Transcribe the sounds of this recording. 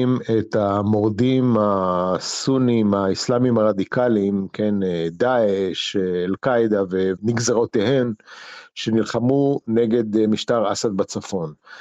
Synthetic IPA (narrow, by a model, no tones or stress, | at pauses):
imet̪amo̞ʁd̪imasunimaislamimaʁad̪ikalimkʰened̪aeʃeːlkajd̪aveniɡzaʁot̪ehe̞mʃenilχamuneɡe̞d̪miʃt̪aʁasad̪̚bat͡safo̞n